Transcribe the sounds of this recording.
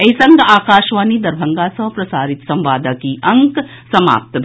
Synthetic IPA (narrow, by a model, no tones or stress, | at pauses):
ɐisɐ̃ŋɡaːkaːʃʋaːnid̪ɐɾbʱɐŋɡasɐ̃pɾɐsaːɾɪt̪sɐ̃mʋaːd̪akiʔɐŋk | sɐma̰ːp̚t̪bʱ